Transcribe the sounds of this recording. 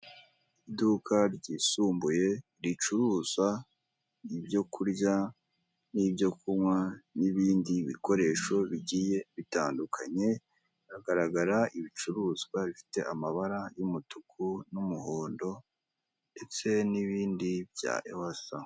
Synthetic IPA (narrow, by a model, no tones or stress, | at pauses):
idukʰaɾɟisuːmbuje̞ | ɾit͡ʃuɾuːza | ibjo̞kʰuɾɟa | nibjo̞kuwaniβiːndiβḭko̞ɾe̞ʃo̞βiɟije̞βitaːndukʰaɲe̞ | aɡaɾaɡaɾaiβit͡ʃuɾuzɡwaɾifi̥te̞ʔamaβaɾajumutukʰunumuho̞ːndo̞ | nde̞t͡se̞niβiːndibja̰ːʔewasa